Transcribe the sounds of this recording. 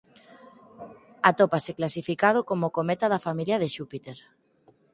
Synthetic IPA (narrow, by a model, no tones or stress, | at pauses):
at̪opaseklasifikað̞okomokomet̪aðafamiljɐð̞eʃupit̪eɾ